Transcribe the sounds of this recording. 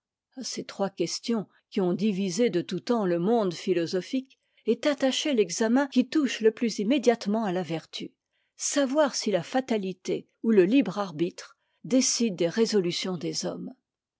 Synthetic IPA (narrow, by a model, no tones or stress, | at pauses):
aset̪χwakʲɛst̪jɔ̃ | kʲiɔ̃d̪ivized̪ət̪ut̪ɑ̃ləmɔ̃d̪filɔzɔfik | ɛt̪at̪aʃelɛɡzamɛ̃kʲit̪uʃləplyzimed̪jat̪mɑ̃alavɛʁt̪y | savwaʁsilafat̪alit̪e | uləlibʁaʁbit̪χ | d̪esid̪̚ːeʁezɔlysjɔ̃d̪ezɔm